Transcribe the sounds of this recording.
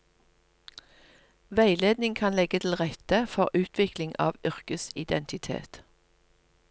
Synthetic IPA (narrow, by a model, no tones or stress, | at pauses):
ʋæɪleːd̪nɪŋkʰɑnlɛɡət̪ʰl̩ʁɛt̪əfɔʁʉːt̪ʰʋɪklɪŋʔɑ̰ːʋʏʁkəsɪd̪ɛnt̪ɪt̪ʰḛːt̪